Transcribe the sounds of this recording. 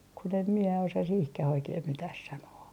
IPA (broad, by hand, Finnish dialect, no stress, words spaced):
kun em mie osɑ sihkæh oikeːh mitæh sɑnoː